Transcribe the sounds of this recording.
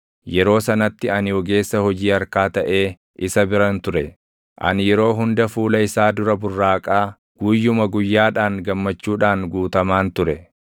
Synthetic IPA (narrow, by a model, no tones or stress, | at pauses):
jɛɾo̞ːsɐnɐt̪ːɪɐnɪwɔɡe̞ːsːɐhɔd͡ʒiːɐɾkaːt̪ɐʔe̞ː | ʔɪsɐbɪɾɐnt̪ʊɾɛ | ʔɐ̰njɛɾo̞ːɦʊnd̪ɐfuːlɐɪsaːd̪ʊɾɐbʊrːaːkʼaː | ɡ̥uːjːʊmɐɡʊjːaːᶑaːŋɡɐmːɐt͡ʃːuːᶑaːŋɡuːt̪ɐmaːnt̪ʊɾɛ